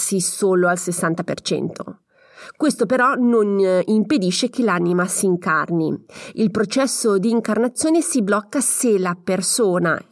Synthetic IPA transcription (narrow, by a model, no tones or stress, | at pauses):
sisoːloalsesːant̪apḛrt͡ʃɛ̰nt̪ʰo̰ | kwest̪opeɾɔnonimped̪iʃːekelanimasiːŋkarniilpɾot͡ʃɛsːod̪iːŋkarnat̪sːjoːnesiblɔkːaselapersoːna̰